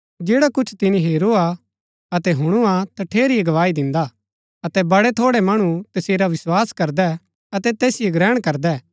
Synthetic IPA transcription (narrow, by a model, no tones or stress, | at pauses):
d͡ʒeːɽakʊt͡ʃʰt̪ɪniɦeːɾoa | ɐt̪ɛɦʊɽ̃uat̪ɐʈʰeːɾieɡɐʋaːid̪ɪ̃nd̪a | ɐt̪ɛbɐɽɛt̪ʰoːɽɛmɐɽ̃ut̪ɐseːɾaʋɪswaːskɐɾd̪ɛ | ɐt̪ɛt̪eːsɪeɡɾɛːɽ̃kɐɾd̪ɛː